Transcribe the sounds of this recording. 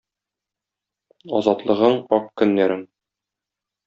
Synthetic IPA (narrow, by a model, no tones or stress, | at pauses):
ɒ̰zɑt̪lˠɤ̆ʁɤɴɒqkɵ̆nːæɾɘŋ